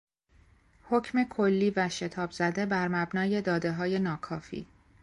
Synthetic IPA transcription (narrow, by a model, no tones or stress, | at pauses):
ho̞cʰme̞kʰolːiːvæʃe̞t̪ʰɒːbzæd̪e̞bæɾmæbnɒːje̞d̪ɒːd̪e̞ɦɒːje̞nɒːkʰɒːfḭː